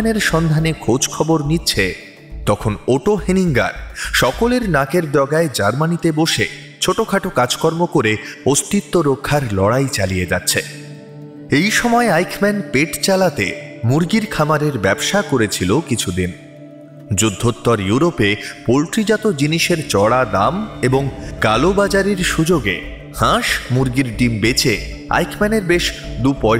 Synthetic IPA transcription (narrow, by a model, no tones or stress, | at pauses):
neɾʃɔnd̪ʱanekʰod͡ʑkʰɔboɾnitːɕʰe | t̪ɔkʰonoʈoɦeniŋɡa̰ɾʃɔkoleɾnakeɾd̪ɔɡaed͡ʑaɾmanit̪eboʃe | t͡ɕʰoʈokʰaʈokad͡ʑkɔɾmokoɾeost̪it̪ːoɾokʰːaɾlɔɽajt͡ɕalijed͡ʑa̰tːɕʰe | ejʃɔmɔeajkʰmɛnpeʈt͡ɕalat̪ḛmuɾɡiɾkʰamaɾeɾbɛbʃakoɾet͡ɕʰilokit͡ɕʰud̪in | d͡ʑud̪ʱːot̪ːɔɾjuɾopepolʈɾid͡ʑat̪od͡ʑiniʃeɾt͡ɕɔɽad̪ameboŋkalobad͡ʑaɾiɾʃud͡ʑoɡe | hãʃmuɾɡiɾɖimbet͡ɕe | a̰jkʰmɛneɾbeʃd̪upɔ